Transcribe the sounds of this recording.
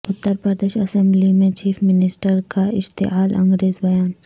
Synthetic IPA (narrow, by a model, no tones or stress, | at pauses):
ʊt̪ːəɾpəɾd̪eːʃɐsɛ̃mblimẽt͡ʃiːfʰmɪnɪsʈəɾkaɪʃt̪ḛɦaːlɐ̰̃ŋɡɾeːzbɐjaːn